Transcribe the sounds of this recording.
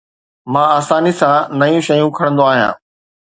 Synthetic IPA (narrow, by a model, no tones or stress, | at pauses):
mãːaːsaːnisãnɐjũʃɐjũkʰɐɽ̃nd̪oaːɦijã̰ː